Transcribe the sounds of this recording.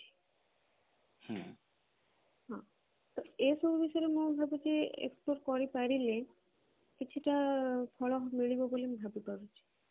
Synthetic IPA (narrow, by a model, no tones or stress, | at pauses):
t͡ʃʰi̥ | h | ɦɔ̃ | t̪oesobbʱiʃɔɾemũbʱabed͡ʒeḛkspoɾkɔɾipaɾile | kit͡ɕʰuʈafʰɔɭɔɦmiɭibobolimbʱabipaɾut͡ʃʰi̥